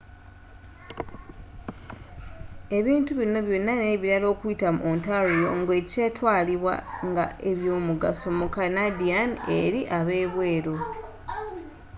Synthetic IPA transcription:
e̞βiːntuβino̞βjo̞nːaneβiɾalo̞ːkuitamṵontaɾijo̞ŋɡe̞ce̞ːtwaːliβwa̰ŋɡa̰eβjo̞ːmuɡaso̞mukanadianḛɾiʔaβe̞ːβwe̞ːɾo̞

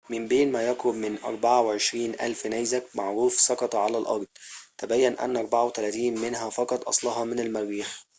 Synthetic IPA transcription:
mɪmbeːnmæjæqɾʊbmɪnʔɑ̰ɾˤbaʕaweʕeʃɾiːnʔæ̰lfnæjzæk̚maʕɾuːfsˤɑqɑt̪ˤʕalælʔɑ̰ɾˤd̪ˤt̪æbæjːænʔæ̰nːʔɑɾˤbaʕawet̪ælæt̪iːnmenɦæfɑqɑt̪ˤʔɑsˤlɑɦɑmɪnælmæɾːiːx

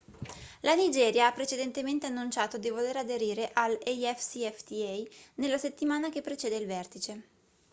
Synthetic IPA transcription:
lanid͡ʒɛːɾjaapːɾet͡ʃed̪ent̪ement̪eanːunt͡ʃaːt̪od̪ivoleɾad̪eɾiːɾeʔalejɛfsiɛft̪iɛjnelːaset̪ːimaːnak̟epːɾet͡ʃeːd̪eilvɛrt̪it͡ʃe

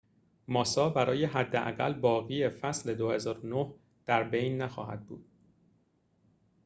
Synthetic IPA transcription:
mɒːsɒːbæɾɒːje̞ɦæd̪ːeʔæ̰ɣælbɒːɣiefæsle̞d̪ohe̞zɒːɾonoh | d̪̥æɾbe̞jnːæxɒ̰ːhæ̰d̪̚bṵːd̪̥̚

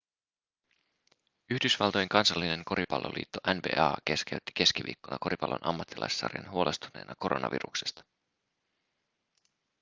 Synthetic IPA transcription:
yçdysʋɑlt̪ojeŋkɑnsɑlːine̞ŋko̞ɾʔipɑlːo̰lʔḭːt̪ːo̞ʔænbḛːɑːkeskeyt̪ːi̥ke̞skiʋḭːkːonɑko̞ɾipɑlʔo̰nʔɑmːɑt̪ːilʔɑ̰jsːɑ̰ːrjɑ̰nɦuolʔe̞st̪une̞ːnʔɑko̞ɾʔo̞nʔɑ̰ʋḭɾuksest̪ɑ̥

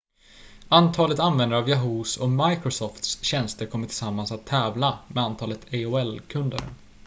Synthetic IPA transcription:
ant̪ʰɑːlət̪anvɛnd̪əɾavjaɦuːsɔmajkɾʊsɔft̪sɕɛnst̪əɾkʰɔmːətʈ̪ʰɪlsamːansat̪ʰːɛːvlamɛant̪ʰɑːlət̪ʰeoɛlkʰɵnd̪ə̰ɾ

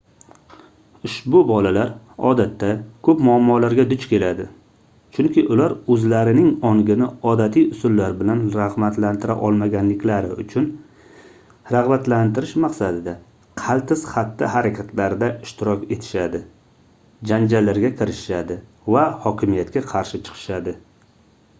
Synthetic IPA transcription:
ʊʃbʊbɒlalaɾ | ɒ̰d̪at̪ʰːakʰɵpmʊamːɒlaɾɡʲad̪ʊt͡ʃkʲʰe̞lad̪ɪ | t͡ʃʰʊŋkʲʰɪʔʊlaɾɵzlaɾɪnɪŋɒŋɡʲɪnɪɒd̪at̪ʰijʊsʊlːaɾbɪlanɾaʁmat̪lant̪ʰɪɾaʔɒlˠmaɡʲanlɪkʲlaɾɪʊ̰t͡ʃʰʊn | ɾaʁbat̪lant̪ɪɾɪʃmaqsad̪ɪd̪a | qʰɑlt̪ʰɪsχat̪ʰːɪhaɾakʲʰat̪ʰlaɾd̪aɪʃt̪ɪɾɒkʲe̞t̪ʰɪ̥ʃad̪ɪ | d͡ʒand͡ʒalːaɾɡʲakʲʰɪɾɪʃɪʃad̪ɪ | vahɒkʲɪmijat̪kʲaqʰɑɾʃɪt͡ʃʰɨ̥qʰɨ̥ʃad̪ɪ

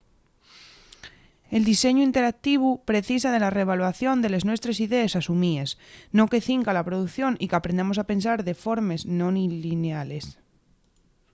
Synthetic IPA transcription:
e̞ld̪ise̞ɲuint̪e̞ɾak̚t̪iβ̞upɾe̞θis̬aðe̞lare̞β̞alwaθjo̞nd̪e̞le̞znwe̞st̪ɾe̞siðe̞esasumiezno̞ke̞θiŋkalapɾo̞ðuθjo̞nikeapɾend̪amo̞sape̞nsaɾðe̞fo̞ɾme̞znõnilineale̞s

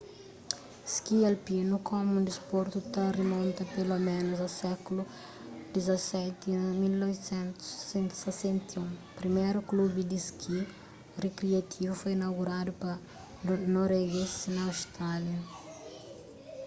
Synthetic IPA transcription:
skielpinukʰomũd̪ispoɾt̪ut̪ɐremɔ̃nt̪ɐpelomẽnuzɐwsɛkulu | d̪̥izɐsɛt̪imilnɔvsẽnt̪u̥ssẽnt̪sesẽnt̪iũpɾimejɾuklubɪd̪iskʰi | rekɾiɐt̪ʰivufojinawɣuɾad̪upɐ | noɾweɡesnɐːwst̪ɾaljɐ

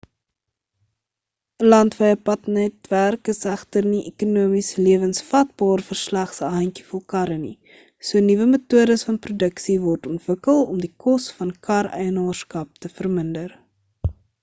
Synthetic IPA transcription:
əlɐntvɛjəpɐtnɛtværkəsæχtərniʔekunuəmisəliəvənsfɐt̚bɑːrfərslæχsəɦɐŋkifɔlˠkɐɾəni | suənivəmətuədəsfɐnprudəksivɔrtɔntv̥əkəlˠɔmdikɔsfɐnkʰɐrœ̰jənɑːrskɐp̚təfərməndər

